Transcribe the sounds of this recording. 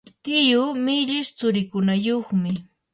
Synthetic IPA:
t̪ɪjʊmɪʎɪʃt͡sʊɾɪkʊnajoχmɪ

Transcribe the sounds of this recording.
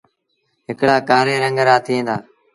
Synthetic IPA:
ɦɪkɽaːkaːɾeːɾəŋɡəɾaːt̪ʰɪẽːd̪aː

